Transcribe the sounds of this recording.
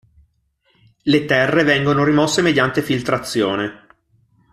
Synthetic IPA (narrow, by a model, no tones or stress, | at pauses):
let̪ɛrːevɛŋɡonoɾimɔsːemed̪jant̪efilt̪ɾat̪sːjoːne